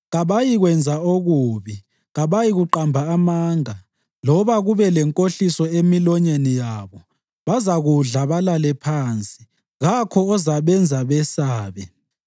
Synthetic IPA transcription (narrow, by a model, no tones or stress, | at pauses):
ɣaβajiɣwɛnd͡zʱaoɣuβi | ɣaβajiɣuǃambʱaːmaːŋa | lɔβaɣuβɛlɛŋkʼoɬisɔemilɔɲenijaβɔ | βazaɣuɮaβalalɛpʰaːnt͡sʼi | ɣakʰɔːzaβɛnd͡zʱaβɛsaːβɛ